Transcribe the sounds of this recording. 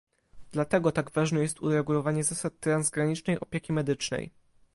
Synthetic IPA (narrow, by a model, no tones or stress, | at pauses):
d̪̥lat̪ɛɡɔt̪aɡvaʐnɛjɛst̪uɾɛɡulɔvaɲɛzasat̪ːɾanzɡɾaɲit͡ʂnɛjʔɔpʲjekʲimɛd̪ɘt͡ʂnɛ̰j